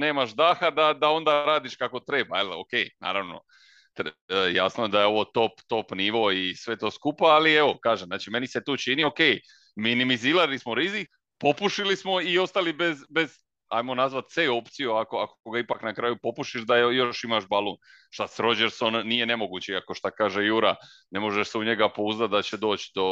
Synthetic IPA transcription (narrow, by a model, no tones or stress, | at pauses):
ne̞ːmaʃd̪aːxad̪ad̪ao̞nd̪aɾaːd̪iʃkako̞t̪ɾe̞baelo̰kejna̰ːɾaʋno̞̰ | t̪ːjasnoe̞d̪ajeo̞ʋo̞t̪o̞pt̪o̞pniʋo̞isʋe̞t̪o̞ːskupaalie̞ʋo̞kaːʒemnaːt͡ʃime̞nise̞t̪oːt͡ʃinio̞ke̞j | minimiziːlalismo̞ɾizik | po̞puʃilismo̞io̞st̪alibezbe̞z | a̰jmo̞nazʋat̪sejo̞pt̪sijuakoakoɡaipaknakɾaːjupo̞puʃiʃd̪aojo̞ʃimaʃbalˠoːn | ʃt̪asɾo̞d͡ʒeɾso̞nːije̞ne̞mo̞ɡuːt͡ɕeiako̞ʃt̪akaːʒe̞juɾa | ne̞mo̞ʒeʃseuɲe̞ɡapouzd̪at̪̚d̪at͡ɕe̞d̪o̞ːt͡ɕd̪o̞